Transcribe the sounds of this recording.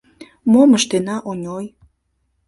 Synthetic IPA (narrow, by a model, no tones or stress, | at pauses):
moməʃt̪enɑʔonʲoj